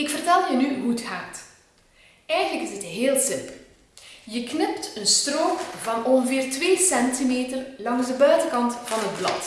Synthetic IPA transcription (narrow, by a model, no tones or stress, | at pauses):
ɪkfərtɛlˠjənyɦutxaːt | ɛjɣənləkɪzətɦeːlˠsɪmpəlˠ | jəknɪptənstroːkvɑnɔɣəveːrtʋeːsɛntimeːtərlɑŋzdəbœɥtəkɑntvɑnɦəd̚blɑ̰t